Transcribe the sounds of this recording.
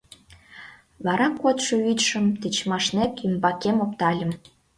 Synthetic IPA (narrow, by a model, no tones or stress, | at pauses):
βɑɾɑkot̪ʃɤ̆yt̪ʃə̆mt̪et͡ɕmɑʃnekymbɑkemop̚t̪ɑlʲə̆m